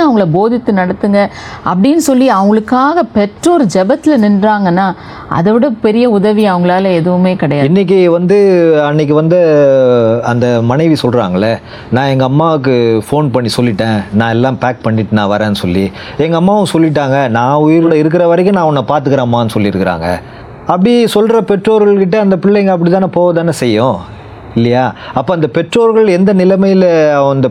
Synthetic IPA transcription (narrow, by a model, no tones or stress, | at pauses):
ɐʋɐŋɡɐɭɐboːðɪt̪ːɯnɐɽɐt̪ːɯŋɡɐɐpːɐɽɪnːɯsɔlːiɐʋʊŋɡɐɭɯkːaːɣɐpɛʈrɔɾɯd͡ʒɛbɐt̪ːɪlnɪnɾaːŋɡɐnːaː | ʔɐ̰ðɐʋɪɽɐpɛɾɪjɐʊðɐʋiɐʋɐŋɡɐɭaːlɐɛðɯʋɯmeːkɐɽɐjaːɪnːɪk̬ːiʋɐnd̪ɯɐnːɛk̬ːɯʋɐnd̪ɯ | ɐnd̪ɐmɐnɐɪʋisɔlɾa̰ːŋɡɐɭːɐ | nãːɛŋɡɐːmːaːɯk̬ːɯfoːnpɐɳːisɔlːɪʈːẽːnãːɛlːãːpaːk̚pɐɳːɪʈːɯnãːʋɐɾẽːɐnːɯsɔlːi | ɛŋɡɐːmːaːʋɯ̃sɔlːɪʈ̬ːaːŋɡɐnãːʊjɪɾɯɽɐɪɾɯk̬ːɪɾɐʋɐɾɐɪk̬ːɯ̃nãːɐɔnːɐpaːɾt̪̬ɯkːɐɾaːmːaːɐnːɯsɔlːiɪɾɯkːɪɾa̰ːŋɡɐ̰ | ɐpːɐɽisɔlɾɐpɛʈroːɾɣɐɭkɪʈ̬ːɐɐnd̪ɐpɪɭːɛŋɡɐɐp̬ːɐɽit̪ːaːnɐpoːʋɐðaːnɐsɛjːʊ̃ | ɪlːɐjaːɐpːoːɐnd̪ɐpɛʈroːɾɣɐɭɛnd̪ɐnɪlɐmɐjɪlɐ̃ɐnd̪ɐ